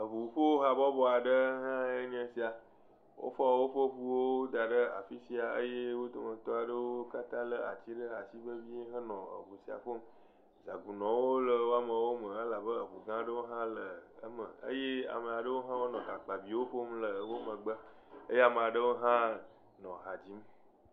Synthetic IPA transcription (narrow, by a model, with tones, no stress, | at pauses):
ə˨ɦu˨u˨ɸo˦wo˦ɦa˨bɔ˦bɔ˦a˨ɖə˦ɦã˦e˦ɲɛ̃˦si˦a˨ | wʔo̰˦fɔ˦˨wo˦ɸə˦ɸu˦wo˦d̪a˨ɖə˦a̰˨fi˦si˦a˨ə̰˦je˦wo˦t̪o˨mə̃˨t̪ɔ˦a˨ɖə˦wo˦ka˦t̪ã˦lə˦a˨t͡ɕi˦ɖə˦a˨si˦bə˦vi˦ɦə˦nɔ̃˨ə̰˨ɸu˨si˨a̰˨ɸo˦m | za˨ɡu˨nɔ̃˨wo˦lə˨wo˦a˦mə̃˨wo˦mə̃˨ə˦la˨bə˦ə˨ɸṵ˨ɡã˦ɖə˦wo˦ɦã˦lə˨ə˦mə̰˨ə̰˦je˦a̰˨mə˨a˨ɖə˦wo˦ɦã˦wo˦nɔ̃˨ka˨k͡pa˨bi˨wo˦ɸo˦mlə˨wo˦mə̃˨ɡ͡bə˦ | ə˦je˦a˨mə̃˨a˨ɖə˦wo˦ɦã˦ | nɔ̃˨ɦa˨d͡ʑi˦m